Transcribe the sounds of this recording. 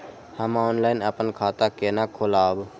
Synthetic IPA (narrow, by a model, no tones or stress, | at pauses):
həmãoːnlaːɪnəpənkʰaːt̪akeːnakʰolaːob